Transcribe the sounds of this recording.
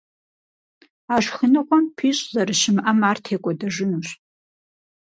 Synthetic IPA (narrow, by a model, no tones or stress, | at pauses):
aːʂχənɨqʷɔmpʰiːɕʼzɐrɨʃɪmʔɐmaːrtʰeːkʷʼɔdɐʒʷɨnuːɕ